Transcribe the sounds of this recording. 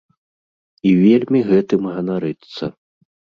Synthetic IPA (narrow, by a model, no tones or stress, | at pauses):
ivʲelʲmʲiɣɛt̪ɨmɣɐnaɾɨt̪sːɐ̰